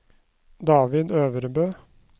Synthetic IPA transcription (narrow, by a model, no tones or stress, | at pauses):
d̪ɑːʋɪd̪øːʋəɾəbøː